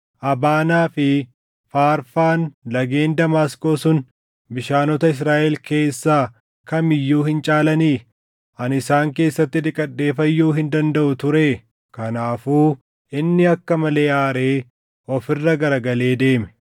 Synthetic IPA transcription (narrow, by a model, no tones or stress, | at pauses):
ʔɐbaːnaːfɪ | faːɾfaːnlɐɡe̞ːnd̪ɐmaːskoːsʊn | bɪʃaːnɔt̪ɐɪs̬ɾaːʔɛlke̞ːsːaː | kɐmɪjːuːhɪnt͡ʃʼaːlɐniː | ʔɐnɪsaːŋke̞ːsːɐt̪ːɪd̪ɪkʼːɐɗːe̞ːfɐjːuːɦɪnd̪ɐnd̪ɐʔʊt̪ʊɾe | kɐnaːfuː | ɪnːɪɐkːɐmɐle̞ːaːɾe̞ː | ɔfɪrːɐɡɐɾɐɡɐle̞ːd̪e̞ːmɛ̥